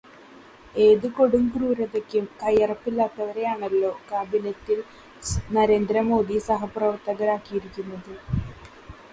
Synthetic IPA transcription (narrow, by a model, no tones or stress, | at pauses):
e̞ːðɨko̞ɽumɡruːɾɐðekʲːumkɐjɐrɐpːilːaːt̪ːɐʋɐɾe̞jaːɳɐlːo̞ːkaːbinɐtːil | nɐɾe̞ːnd̪ɾɐmo̞ːd̪isɐɦɐprɐʋɐrt̪ːɐɣɐɾaːkːijiɾikʲːunːɐðɨ